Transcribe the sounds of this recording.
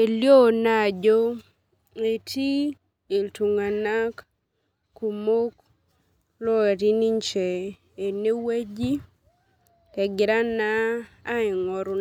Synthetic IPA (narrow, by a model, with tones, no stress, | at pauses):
e˨ljo˦˨na˦˨d͡ʒo˦ | e˨tʰi˦ | e˨ltu˨ŋa˨na˦k | kːu˨mo˦k | lɔ˦e˨ɾi˦ni˦ɲt͡ʃɛ˨ | e˨ne˦we˦d͡ʒi˦ | tɛ˨ɡɪ˨ɾa˦naː˦ɪ˨ŋɔ˨ɾʊ˨